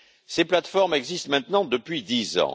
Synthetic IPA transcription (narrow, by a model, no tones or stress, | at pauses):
seplat̪fɔʁmɛɡzist̪mɛ̃t̪nɑ̃d̪əpɥid̪izɑ̰̃